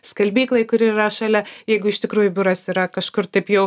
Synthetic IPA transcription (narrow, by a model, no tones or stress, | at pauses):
skɐlʲbʲiːklˠɐɪkʊɾʲɪiɾɐʃɑlʲɛjɛɪɡʊɪʃt̪ʲɪkɾuːjʊbʲʊɾɐsiːɾɐkɐʃkʊrt̪ɐɪpjɛʊ